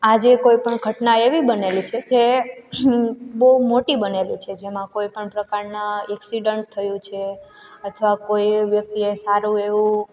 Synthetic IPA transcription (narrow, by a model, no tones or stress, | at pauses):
ad͡ʒekoipəɳɡʱəʈnaeʋibənelit͡ʃʰeke | bəɦumoʈibənelit͡ʃʰed͡ʒemãkoipəɳpɾəkaɾnaeksiɖəɳʈ̚t̪ʰəjũt͡ʃʰe | ət̪ʰʋakojʋjək̚t̪iesaɾũeʋũ